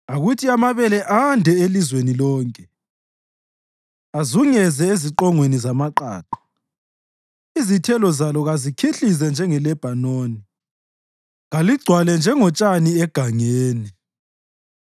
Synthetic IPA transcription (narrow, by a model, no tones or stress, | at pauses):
aɣutʰiamaβɛlɛʔandʱɛelizwenilɔːŋkʼɛ | azuŋɛzɛeziǃɔŋwenizamaǃa̰ːǃɔ̥ | izitʰɛlɔzalɔɣazikʰiɬizɛnd͡ʒʱɛŋɛlɛb̥ʱanoːni | ɣaliɡ͡ǀʱwalɛnd͡ʒʱɛŋɔt͡ʃʼaniɛɡ̥ʱaŋeːni